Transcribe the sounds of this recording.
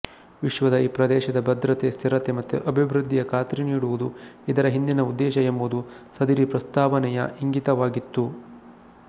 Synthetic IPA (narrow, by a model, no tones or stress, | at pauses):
ʋiʃʋɐd̪ɐiːpɾɐd̪ɛːʃɐd̪ɐbɐd̪ɾɐt̪est̪ʰiɾɐt̪emɐt̪ːuʔɐbʱibɾud̪ʱːijɐkʰaːt̪ɾiniːɽuʋud̪uid̪ɐɾɐɦind̪inɐud̪ːɛːʃɐembud̪usɐd̪iɾipɾɐst̪aːʋɐnɛjɐ̰iŋɡit̪ɐʋaːɡit̪ːu